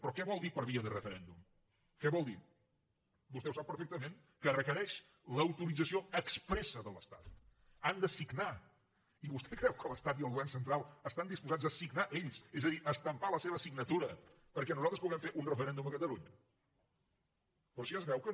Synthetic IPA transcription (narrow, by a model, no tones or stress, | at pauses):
pɾɔkɛβɔlˠd̪ipəɾβiəðərəfəɾɛnd̪um | kɛβɔlˠd̪i | bust̪ɛwsapːəɾfɛk̚t̪əmeŋ | kərəkəɾɛʃ | ləwt̪uɾid͡zəsioəkspɾɛsəðələst̪at̪ | and̪əsiɡna | iβust̪ɛkɾɛwkələst̪at̪iəlˠɣuβɛrnsənt̪ɾalˠəst̪and̪ispuzad͡zəsiɡnaʔeʎsezəðiʔəst̪əmpaləseβ̞əsiɡnət̪uɾə | pəɾkɛnuzalˠt̪ɾəspuɣɛmfeʔunrəfəɾɛnd̪uməkət̪əluɲə | pɾɔsiazβɛwkə